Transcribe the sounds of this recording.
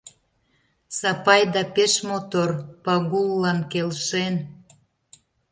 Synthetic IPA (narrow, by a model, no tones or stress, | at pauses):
sɑpɑjd̪ɑpeʃmot̪orpɑɣulːɑnkelʃen